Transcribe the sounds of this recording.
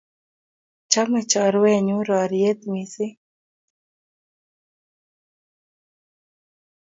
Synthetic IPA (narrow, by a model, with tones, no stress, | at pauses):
t͡ʃa˦mə˨t͡ʃɔ˨ɾwɛ˦˨ɲu˦ɾɔ˨ɾje˦t̪mi˨sɪ˦